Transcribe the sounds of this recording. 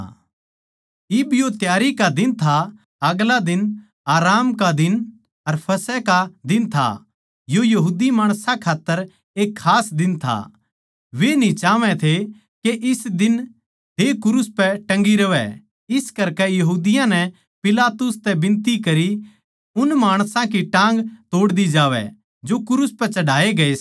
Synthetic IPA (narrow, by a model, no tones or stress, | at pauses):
ɪbjot̪jaːɾikad̪ɪnt̪ʰa | ɐɡlad̪ɪn | aːɾaːmkad̪ɪn | ɐɾpʰɐsɛkad̪ɪnt̪ʰa̰ | jojɐɦuːd̪imaːɽ̃sãkʰaːt̪ːəɾ | eːkʰːaːsd̪ɪnt̪ʰa̰ | ʋenĩt͡ʃaːʋɛ̃t̪ʰe | keʔɪsd̪ɪn | ɦekʊɾʊspɛʈɐ̃ŋɡiɾɐʋɛ̰ | ɪskɐɾkɛjɐɦuːd̪ɪjãnɛ | pɪlaːt̪ʊst̪ɛbɪ̃nt̪ikɐɾi | ʊnmaːɽ̃sãkiʈãːŋ̆ɡt̪oːɽd̪id͡ʒaːʋɛ̰ | d͡ʒokʊɾʊspɛt͡ʃɐɽaːeɡɐeː